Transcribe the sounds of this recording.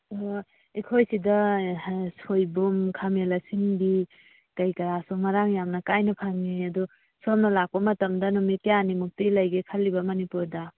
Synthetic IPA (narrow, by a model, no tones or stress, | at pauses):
o | ikʰojsidɐ | sojbumkʰamelɐsinbi | kɐjkɐɾasumɐɾaŋjamnɐkajnɐpʰaŋiɐdu | somnɐlak̚pɐmɐtɐmdɐnɔmitijanimuk̚tilɐjɡekʰɐlːibɐmɐnipuɾdɐ